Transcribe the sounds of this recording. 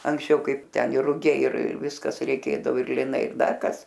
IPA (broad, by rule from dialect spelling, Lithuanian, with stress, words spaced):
ɐŋksʲˈt͡ʃʲɛʊ ˈkɐɪp ˈtʲɛn ɪr rʊˈɡʲɛɪ ɪr ˈʋʲɪskɐs rʲɛɪˈkʲeːdɐʋoː ɪr lʲɪˈnɐɪ ɪr ˈdɐr ˈkɐs